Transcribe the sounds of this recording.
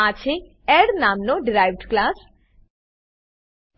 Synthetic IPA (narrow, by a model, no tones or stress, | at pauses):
at͡ʃʰe | ɛɾnamnoɖɪɾajʋɖklaːs